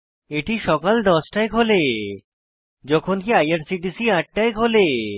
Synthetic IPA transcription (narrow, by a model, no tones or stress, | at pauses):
eʈiʃɔkald̪ɔsʈaekɦole | d͡ʑɔkʰonkiajaɾsiʈ̬isiãʈ̚ʈaekɦole